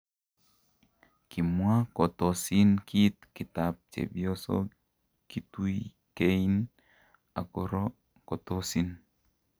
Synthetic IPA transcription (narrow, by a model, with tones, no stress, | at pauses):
ki˨mwa˦kɔ˨to˨si˦nki˦t̪̚ki˨ta˨p̚t͡ʃḛ˨bjɔ˦sɔ̰˦ | ki˦tu˦i | ke˦i˦n | a̰˨ko˦ɾɔ˦ | kɔ˨to˦si˦n